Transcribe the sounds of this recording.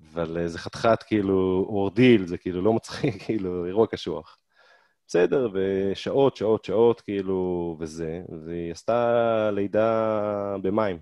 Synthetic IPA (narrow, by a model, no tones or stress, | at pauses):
avalezeχat̪χat̪kiiluoʁd̪ilzekiilulo̞mat͡sχikʰːiiːlueʁuakaʃua̰χ | b̥esed̪e̞ʁveʃaʔo̞t̪ʃao̞t̪ʃao̞t̪kiiluveze̞veast̪alejd̪a | be̞maim